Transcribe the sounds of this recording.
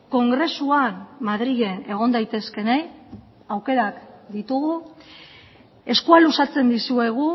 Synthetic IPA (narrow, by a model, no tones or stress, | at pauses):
ko̞ŋɡɾe̞suanmaðɾiɣe̞ne̞ɣ̞o̞nd̪ajt̪e̞ske̞naj | awke̞ɾakd̪it̪uɣ̞u | e̞skualusat͡se̞nd̪isue̞ɣ̞u